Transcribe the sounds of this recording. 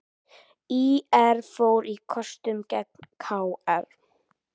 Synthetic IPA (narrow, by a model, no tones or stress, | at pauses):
iːɛɾfoːwɾikʰɔst̪ʏmcɛk̚n̥kʰawɛɾ̥